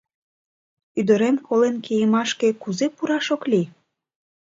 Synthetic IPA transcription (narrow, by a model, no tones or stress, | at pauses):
yd̪ə̆ɾemkolenkejəmɑʃke̽kuzepuɾɑʃokli